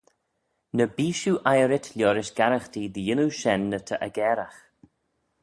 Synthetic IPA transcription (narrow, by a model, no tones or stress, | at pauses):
nəbiːʃuʔajəɾɪtʰlʲjɔːɾɪʃɡ̥aɾaxtiðijɪnuʃɛnːət̪ʰəʔə̰ɡɛːɾax